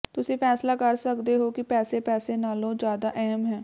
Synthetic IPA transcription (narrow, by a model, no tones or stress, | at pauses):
t̪ʊsĩːpʰɛːslaːkəɾsəkd̪eɦokipɛːsepɛːsenaːlõːd͡ʒjaːd̪aʔɛɦəmɦɛ̃ː